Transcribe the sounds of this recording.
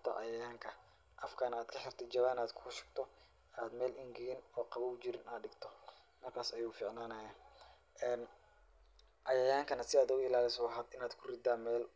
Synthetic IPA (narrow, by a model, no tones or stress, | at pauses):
t̪ʰɐ̰ʔɑ̰jɐjaːŋkʰɐ | ʔɐfkʰaːnaːd̪kʰɐħɪrt̪ʰɐd͡ʒɐβaːnaːd̪kʰʊːʃɪ̥ɡ̚t̪ʰɔ | aːd̪mɛːlɪŋɡɪɣɪnɔːqɑβɐʊt͡ʃɪɾɪnaːɖɪɡt̪ʰɔ | mɐrkʰaːsɐjuːfiːʕnaːnɐjaː | ʔɛːn | ʔɑjɐjaːŋkʰɐnɐsɪaːd̪ʊɣʊɪlaːlɪsɔɐɦɐːd̪ɪnaːd̪kʰʊrɪd̪aːmɛːl